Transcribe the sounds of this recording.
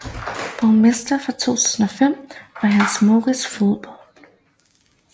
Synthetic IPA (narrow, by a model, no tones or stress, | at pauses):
b̥ɒnmesd̥ɐfʁɑ̈t͡sʰo̝̰ːt͡sʰu̥̰ːsn̩ɒ̽fem̰ʋɑ̈ɦænsmo̝ːʁisfoðˠb̥ɒl̰